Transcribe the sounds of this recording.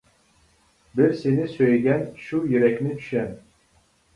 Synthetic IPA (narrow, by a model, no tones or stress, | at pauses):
biɾsenisøjɡʲænʃujyɾɛkʲnit̪ʰy̥ʃæn